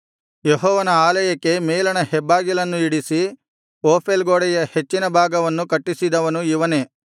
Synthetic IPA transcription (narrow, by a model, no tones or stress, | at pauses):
jeɦɔːʋɐnɐaːlɐjɐkːe̞meːlɐnɐhɛbːaːɡilɐnːuiɽisi | oːpʰelɡoːɽɛjɐhe̞t͡ʃːinɐbʱaːɡɐʋɐnːukɐʈːisid̪ɐʋɐnuiʋɐne̞ː